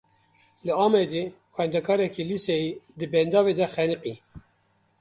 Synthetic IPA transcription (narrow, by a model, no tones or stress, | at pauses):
lɨɑːmɛd̪e | kʷwɛnd̪ɛkʰɑːɾɛkilisɛjid̪ɨbɛnd̪ɑːved̪ɛxɛnɨqi